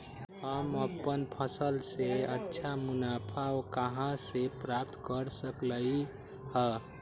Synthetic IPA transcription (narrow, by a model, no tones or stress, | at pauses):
həməpənpʰəsəlseətːʃʰamunapʰaokəɦãsepɾap̚t̪kəɾsəkləi | hə